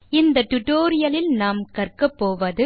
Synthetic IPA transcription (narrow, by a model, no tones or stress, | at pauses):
ɪnd̪ɐʈ̪ʊʈoːɾɪjɐlɪlnaːmkɐrkɐpːoːʋɐðɯ